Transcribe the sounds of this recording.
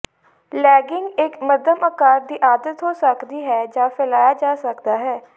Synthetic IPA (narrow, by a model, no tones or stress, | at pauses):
lɛːɡɪŋɡɪkməd̪əməkaːɾd̪iːʔaːd̪ət̪ɦoːsəkd̪iːɦɛːd͡ʒaːpʰɛlaːjaːd͡ʒaːsəkd̪aːɦɛː